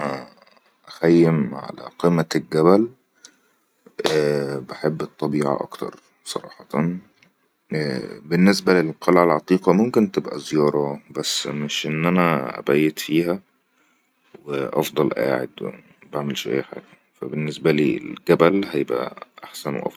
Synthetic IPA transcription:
æ | ʔæxæjːemʕa̰læ̰qimːælɡæbæl | beħebːet̪ˤːɑbiːʕɑ̰ʔɑ̰kt̪ɑ̰ɾˤ | sˤɑ̰ɾˤɑ̰ːħɑt̪ɑn | benːes̬bælelqʰɑlʕalʕɑt̪ˤiːqɑmomkent̪ebʔæ̰zjɑːɾˤɑbæsːmeʃʔenːʔænæʔæ̰bæjːet̪fiːɦæ | weʔɑ̰fd̪ˤɑlʔa̰ːʕḛd̪w | baʕmelʃʔæ̰jːæħa̰ːɡæ | fæbenːesbæliːḛlɡæbælhæjebʔæ̰ʔaħsænwḛʔɑ̰fˤ

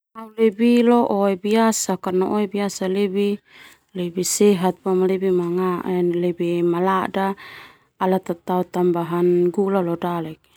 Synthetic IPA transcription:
amlebilɔʔɔɛbiasakarnaʔɔɛbiasalɛbi | lɛbisɛɦat̪̚pamalɛbimaŋaɛnlɛbimaladaː | lat̪at̪aut̪ambaɦanɡulalɔdalɛk̚

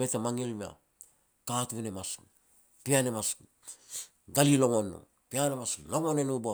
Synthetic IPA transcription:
metamaŋilmia̰ | katunemas | pianemas | ɡalilo̞ŋonːo̰ | pianemasloŋonenubo

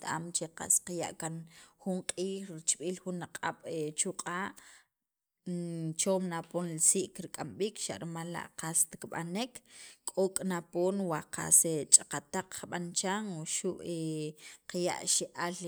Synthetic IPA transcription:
t̪aʔa̰mt͡ʃeqa̰sqaja̰ʔkanχuɴqʼiːχɾit͡ʃʼɓiːlχunaqʼa̰ɓ̥et͡ʃuqʼaːʔ | t͡ʃoːmnaponlisiʔkɾikʼamɓiːkʃa̰ʔɾmalːa̰ʔqast̪i̥kɓa̰nikkʼokʼnapoːnwaqa̰set͡ʃʼaqat̪aq͡χχɓant͡ʃaŋwoʃuʔeqja̰ʔʃeʔal

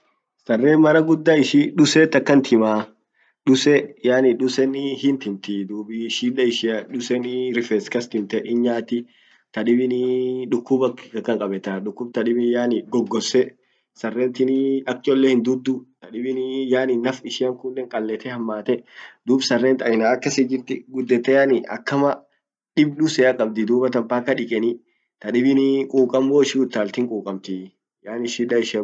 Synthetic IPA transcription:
sɐrːeːnmɐɾɐɡʊd̪ːaːɪʃiᶑʊseːt̪ːɐkːɐnt̪ʰɪmaː | ᶑʊsɛjaːnɪᶑʊsɛnɪhɪnt̪ɪnt̪ɪd̪uːbɪʃiːᶑɐɪʃɪɐᶑʊsɛnɪɾɪfɛːskɐst̪ɪmt̪ɛʔɪɲɲaːt̪ɪ | t̪ɐᶑɪbɪnɪᶑʊkːʊbɐkːɪ̥ɐkːɐŋkʼɐbɛt̪aᶑʊkːʊb̚t̪ɐᶑɪbɪjaːnɪɡɔɡːɔsɛ | sɐrːɛːnt̪ɪnɪɐk̚t͡ʃʼɔlːɛhɪnd̪ʊd̪ːʊt̪ɐᶑɪbɪnɪjaːnɪnɐfɪʃɪɐŋkulːeːŋkʼɐlːɛt̪ɛhɐmːaːt̪ɛd̪uːbsɐrːɛːnt̪ɐɪnaːɐkːɐsɪd͡ʒɪɾt̪ɪɡʊd̪ːɛt̪ːɛjɐnɪɐ̰kːɐmɐ | ᶑɪbɗʊsɛɐkʼɐb̚d̪ɪd̪uːbɐt̪ɐmpaːkːɐᶑɪkʼɛnɪ | t̪ɐᶑɪbɪnɪkʼuːkʼɐmːoːɪʃɪʊt̪ːaːlt̪ɪŋkʼuːkʼɐmt̪ɪ | jaːnɪʃɪᶑɐɪʃ

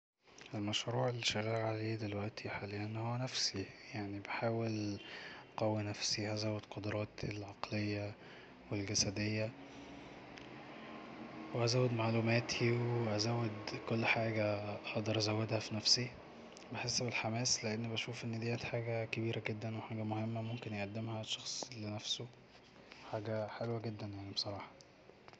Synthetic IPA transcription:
elmæʃɾuːʕelːiʃæɣælʕaleːd̪elwæʔt̪ʰiħalejænːhowːænæfsijaʕnibeħaːwel | qæwːinæfsihæzæwːed̪̥qod̪ɾˤɑːt̪elʕɑqlejːæ | welɡæsæd̪ejːæ | weʔæzæːwed̪maʕlumæːt̪ʰiweʔæzæwːed̪kolːħaːɡæħɑd̪ˤɑɾˤʔæzæwːed̪hæfinæfsi | beħesːbelħamæːsleʔenːibæʃuːfʔenːd̪iʔæt̪ħaːɡækebiːɾʔæɡed̪ːænweħaːɡæmohemːæmomkenjeʔæd̪ːemhæʃːɑxsˤlenæfso | ħaːɡæħelwæɡed̪ːænjaʕnibesˤɑɾˤɑːħɑ̥

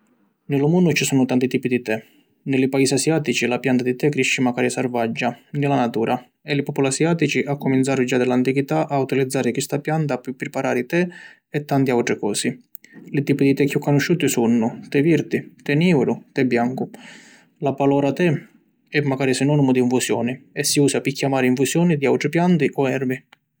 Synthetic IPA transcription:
nɪlʊmunːʊt͡ʃisuːnʊt̪ant̪it̪iːpid̪it̪ɛ | nɪlɪpaiːsiasjaːt̪it͡ʃilapjant̪ad̪it̪ɛkːɾiʃːɪmaɡaːɾisarvad͡ʒːanɪlanat̪uːɾʔa | ɛlɪpɔpɔlasjaːt̪it͡ʃiʔakːʊmint̪saːɾʊd͡ʒad̪ɛlant̪ikit̪aʔaut̪ilid̪zːaːɾɪkwist̪apjant̪apupːɾɪpaɾaːɾɪt̪ɛ | ɛt̪ːant̪iawt̪ɾɪkɔːsi | lɪt̪iːpʊd̪it̪ɛkːjukːonʊʃːuːt̪ɪsunːʊt̪ɛviɾt̪ɪt̪ɛniːwɾʊt̪ɛbːjaŋkʊ | lapalɔɾat̪ɛ | ɛmːaɡaːɾisɪnɔnimʊd̪iːɱfusjɔːnɪɛsːiuːsapɪkːjamaːɾɪiɱfusjɔːnid̪iawt̪ɾɪpjant̪ɪʔɔɛɾvi

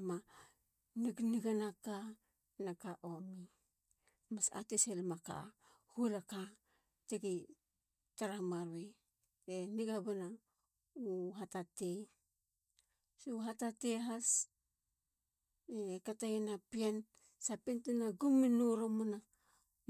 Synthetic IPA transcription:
ma | niɡniɡanaka | nakaʔomi | masa̰teselmaka̰ | hulaka | teɡi | taɾamaɾue | eniɡabana | uɦatate | suɦatateɦas | ekatajenapian | sapintinaɡuminoɾomuna

